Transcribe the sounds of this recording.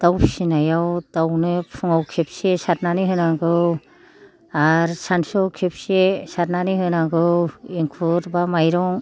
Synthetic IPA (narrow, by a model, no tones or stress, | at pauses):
d̥awpʰsinajawdawnɯpʰuŋawkʰep̚sesaɾnaniɦɯnaɡɯw | aɾsansɔkʰep̚sesaɾnaniɦɯnaɡɯwiŋkʰuɾbamajɾɔŋ